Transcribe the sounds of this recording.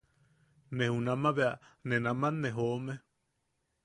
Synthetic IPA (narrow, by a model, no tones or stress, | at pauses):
nẽhunãmãβeanẽnãmãneɦome